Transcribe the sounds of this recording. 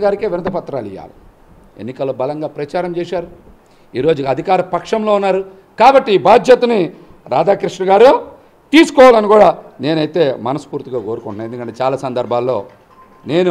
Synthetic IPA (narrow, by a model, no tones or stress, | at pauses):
ɡaːɾikeːʋinɐt̪ɐpɐt̪ːɾa̰ːlḭja̰ːlḭ | ḛnːikɐlːoːbɐlɐŋɡaːpɾɐt͡ʃaːɾɐmt͡ʃɛːʃaːɾu | iːɾo̞ːd͡ʒuɐd̪ʱikaːɾɐpɐkʂɐmlo̞ːunːaːɾu | kaːbɐʈːiiːbaːd͡ʒ̪jɐt̪ɐni | ɾa̰ːd̪aːkɾiʂnɐɡaːɾu | t̪iːsu̥kɔːʋaːlɐnikuːɽaːne̞ːnɐjit̪e̞ːmɐnɐsu̥puːɾt̪iɡaːko̞ːɾukuɳʈːnaːend̪ukɐɳʈet͡ʃaːlaːsɐnd̪ɐɾbʱaːlːo̞̰ː | ne̞ːnu